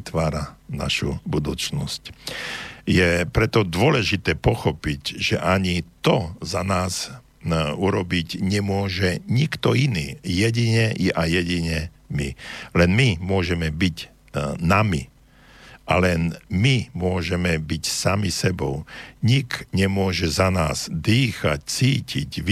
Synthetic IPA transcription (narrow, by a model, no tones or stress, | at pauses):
t̪ʋaːɾana̰ʃṵbud̪uːt͡snɔsc | jɛpɾɛt̪ɔd̪ʊɔlɛʒit̪ɛːpɔxɔpiɟʒ̥ɛ̰ʔaɲit̪ɔzanaːz | uɾɔbicɲɛmʊɔʒɛɲikt̪ɔiniːjɛɟiɲɛʔajjɛɟiɲɛ | mḭlɛnmimʊɔʒɛmɛbiɟ | namḭ | ʔa̰lɛnmimʊɔʒɛmɛbicsamisɛbɔʊɲikɲɛmʊɔʒɛzanaːz̥d̪iːxac̚t͡siːcḭcʋ